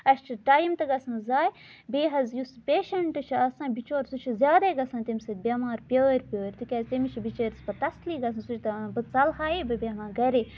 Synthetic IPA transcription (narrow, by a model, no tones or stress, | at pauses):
ɐʃt͡ʃʰiʈaːjimt̪ɨɡɐsɨ̃ːzaːj | beːɦɐzjuspʲeːʃɐɳʈɨt͡ʃʰiɐsãːbit͡ʃoːɾʲsut͡ʃʰizʲjaːd̪eːɡɐsãːt̪imʲsɐd̪̚ʲbʲɐmaːɾpʲəːɾʲpʲoːɾʲt̪ikʲɐzʲt̪imit͡ʃʰibit͡ʃeːɾʲspɐt̪ɐsliːɡɐsɐ̃nsut͡ʃʰt̪ɐbɨt͡sɐlɦaːebɨbʲemãːɡɐɾeː